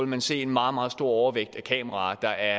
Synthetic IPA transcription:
lmænse̝̰ːe̝nmɑ̈ːð̞̩ˠmɑ̈ːð̩ˠsd̥o̝ɐ̰ɒʊɐʋeɡ̥̚d̥ækʰɛ̰ːməʁɑ̈ːd̥ɑ̈ʔæɐ

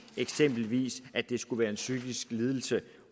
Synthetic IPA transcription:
eɡ̥sem̰b̥l̩ʋḭːsæd̥e̝sɡ̥uʋæːɐe̝nsyɡ̥isɡ̥liːð̞ˠl̩sə

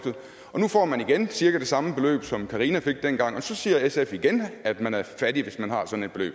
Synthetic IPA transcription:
d̥ð̩ˠ | ɒ̽nufɒ̰ːmæniɡ̥ensiɐɡ̥ɐd̥e̝sɑ̈məb̥e̝lø̰ːb̥sɒ̽mkʰɑ̈ʁinæfe̝ɡ̥̚d̥enɡ̥ɑ̈ŋ̰ɒ̽sɒ̽siːɐesefiɡ̥enæd̥mænæɐfæɾiʋe̝smænhɑ̈sɒ̽n̩ed̥̚b̥elø̰ːb̥

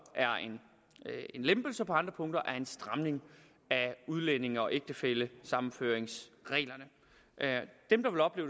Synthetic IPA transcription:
ʔæɐe̝n | e̝nlemb̥l̩səpʰɒɑ̈nd̥ʁɐpʰɔ̽ŋ̰d̥ɐʔæɐe̝nsd̥ʁɑ̈mne̝ŋ | æuð̞ˠlene̝ŋɒ̽ʔeɡ̥̚d̥əfeləsɑ̈mn̩føːɐ̰eŋsʁɛ̰ːlɐnə | d̥emd̥ɑ̈ʋe̝lɒ̽b̥le̝ːʊ

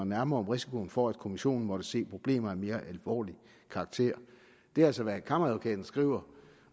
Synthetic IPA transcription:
næɐmɐːɒmʁisi̥kʰo̝n̩fɒæd̥kʰo̝miɕo̝̰ːn̩mɒ̽ɾ̥əse̝̰ːpʰʁo̝b̥le̝̰ːmɐæme̝ːɐʔælʋɒ̰ːli | kʰɑ̈ːɡ̥̚t͡sʰe̝̰ɐ̰ | d̥e̝ælsɒʋækʰɑ̈mɐðokʰɛːd̥n̩sɡ̥ʁḭːʊ̰ɐ

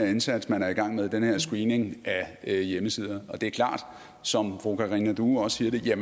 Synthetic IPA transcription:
ɐensæd̥smænæɐiɡ̥ɑ̈ŋ̰með̞ˠd̥enəhe̝ɐ̰sɡ̥ʁiːne̝ŋʔæjeməsið̞ˠɐɒ̽d̥e̝æɐkʰlɑ̰̈ːd̥ | sɒ̽mfʁo̝kʰɑʁinæd̥uɒ̽sə̥siːɐɾ̥e̝jæ

